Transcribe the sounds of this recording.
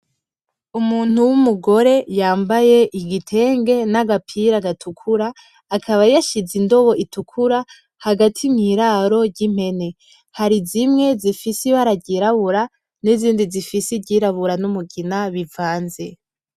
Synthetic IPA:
umuːn̥huwumuɡo̞ɾe̞jaːmbaje̞ʔiɡitʰe̞ːŋɡe̞naɡapʰiɾaɡatʰukʰuɾaː | kʰaβajaʃizindo̞βo̞ʔitukʰuɾa | haɡatʰimŋiːɾaɾo̞ɟim̥he̞ne̞ | haɾizimŋe̞zifisiβaɾaɟiɾaβuɾa | niziːndizifisiɟiɾaβuɾanumuɡinaβivaːnze̞

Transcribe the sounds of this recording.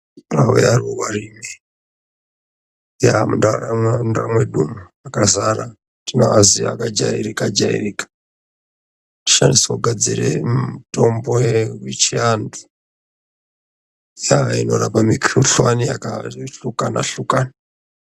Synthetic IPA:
rawejarowarimi | jamundaandamweɗumu | akazaɾa | tinaaziaakad͡ʒa̰iɾikad͡ʒaḭrikḁ | ti̥ʃandisakuɡʱad͡ziremutombojewit͡ʃiandu | jainoɾapamikʰriɬwanijakaɬukana̰ɬukani

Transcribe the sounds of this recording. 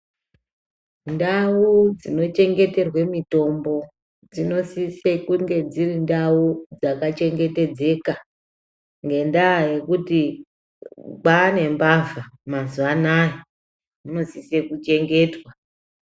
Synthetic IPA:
ndaud͡zino̞t͡ʃe̞ŋɡe̞te̞rwe̞mito̞mbo̞ | d͡zino̞sisekuŋɡe̞d͡zirindaud͡zakat͡ʃe̞ŋɡe̞te̞d͡ze̞ka | ŋɡe̞ndaje̞kuti | ɓane̞mbavamazuanaje | ino̞sisekut͡ʃe̞ŋɡe̞ːtwa

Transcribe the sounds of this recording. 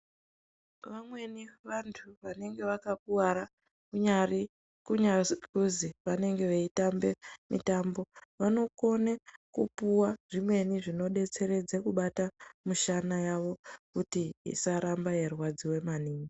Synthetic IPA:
ʋamwe̞niʋantʰuʋane̞ŋɡe̞ʋakak̚uwaɾa | kuɲari | kuɲakuziʋane̞ŋɡe̞ʋeitambe̞mḭtaːmbo̞ʋano̞ko̞nekupuwaʐ̥imwe̞niʐino̞ɗe̞t͡se̞ɾe̞d͡zekuɓatamuʃanajaʋo̞kutiḭsaɾambajerwad͡ziwe̞maniːɲi

